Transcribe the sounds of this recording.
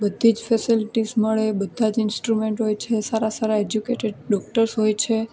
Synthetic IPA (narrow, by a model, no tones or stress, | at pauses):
bəd̪ʱːid͡ʒfɛsilʈizməɭebəd̪ʱːad͡ʒɪnsʈɾumeɳʈɦojt͡ʃʰesaɾasaɾaed͡ʒjukeʈeɖɖɔk̚ʈəɾsɦojt͡ʃʰe